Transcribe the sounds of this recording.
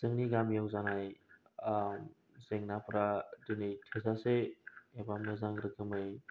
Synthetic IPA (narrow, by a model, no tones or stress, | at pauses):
z̥ɯŋniɡamjawzanaj | m | zeŋnapɾadɯnɯjtʰɯzaseːbamnɯzaŋɾɯkʰɯmɯj